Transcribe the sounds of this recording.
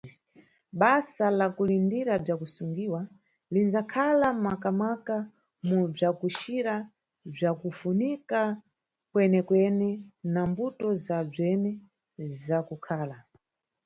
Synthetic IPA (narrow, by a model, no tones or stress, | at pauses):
ɓasalakulindiɾab͡ʐakusuŋɡiwa | linzakʰalamakamaka | mub͡ʐakuʃiɾa | b͡ʐakufunika | kwɛnɛkwɛnɛnambutɔzab͡ʐɛnɛ | zakukʰaːla